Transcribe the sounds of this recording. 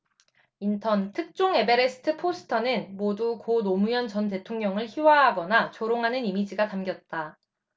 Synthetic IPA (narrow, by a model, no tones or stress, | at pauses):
intʰʌntʰɯk̚t͡ɕ͈oŋe̞be̞ɾesʰɯ̥tʰɯpʰosʰɯ̥tʰʌnɯnmodukonomujʌnt͡ɕʌnt̬e̞tʰoŋɲʌŋɯɭçiwaɦaɡʌnat͡ɕoɾoŋɦanɯnimid͡ʑiɡatamɡjʌt̚t͈a